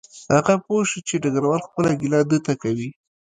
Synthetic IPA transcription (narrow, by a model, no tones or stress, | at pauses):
haɣapoʃit͡ʃeɖaɡaɾwalxpəlaɡilɑd̪ət̪akawi